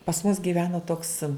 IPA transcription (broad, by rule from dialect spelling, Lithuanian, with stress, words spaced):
pɐs mʊs ɡʲiːˈʋʲæːnoː toːks